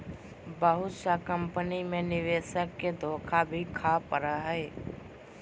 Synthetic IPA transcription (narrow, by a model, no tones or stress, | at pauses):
bəɦʊt̪sakə̃mpənimẽnɪʋeːʃəkːed̪ʱoːkʰabʱikʰapəɾaɦɛː